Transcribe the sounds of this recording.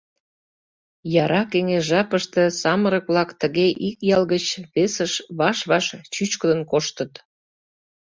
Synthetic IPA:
jɑɾɑkeŋeʒɑpəʃt̪ə̆sɑməɾək̚βlɑkt̪əɣeʔikjɑlɣət͡ɕβesəʃβɑʃβɑʃt͡ɕyt͡ɕkəd̪ənkoʃt̪ət̪

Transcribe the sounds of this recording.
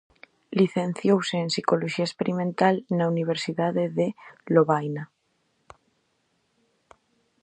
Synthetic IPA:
liθẽ̞n̟θjowseːnsiko̞loʃiaespeɾimẽnt̪alnauniβ̞eɾsiðaðeðeloβajna

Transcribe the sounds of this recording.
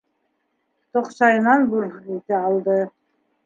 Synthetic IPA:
t̪oqʃɑjnɑnbuɾit̪ɘɑlˠd̪ɤ

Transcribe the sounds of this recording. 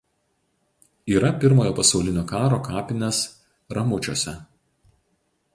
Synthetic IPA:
iːɾɐpʲɪɾmoːjoːpɐsɒʊlʲɪnʲoːkɑːɾoːkɑːpʲɪnʲɛs | ɾɐmʊt͡ʃʲo̰ːsʲɛ

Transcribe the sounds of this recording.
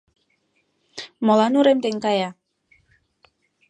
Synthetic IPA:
molɑnuɾemt̪eŋkɑjɑ

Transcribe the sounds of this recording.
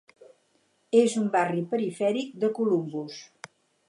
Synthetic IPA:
ezumbaripəɾifɛɾik̚d̪əkulumbus

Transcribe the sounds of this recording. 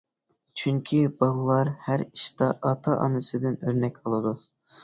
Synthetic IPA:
t͡ʃʰyŋkʲʰibɑlˠlˠːɑɾhæɾiʃt̪ɑʔɑt̪ʰɑʔɑ̰nɨsɨd̪ɪnøɾnɛkʲolˠɨd̪u

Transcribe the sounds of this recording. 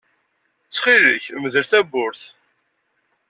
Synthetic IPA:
t͡sːχiɾə̰çməðəɾθæbʊɾθ

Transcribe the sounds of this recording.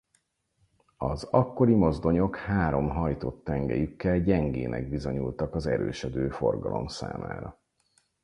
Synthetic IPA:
ɒzɒkːo̞ɾimo̞zd̪o̞ɲo̞khaːɾo̞mɦɒjt̪ot̪ːɛŋɡɛ̰jykːɛlɟɛŋɡeːnʔɛ̰ɡ̚bizo̞ɲult̪ɒkɒzɛɾøːʃɛd̪øːfo̞rɡɒ̰lo̞̰msa̰ːma̰ːɾɒ

